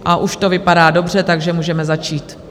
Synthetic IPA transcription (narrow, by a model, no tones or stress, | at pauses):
ʔaʔuʃt̪o̞vɪpadaːdo̞brɛt̪aɡʒɛmuːʒɛmɛzat͡ʃiːt̪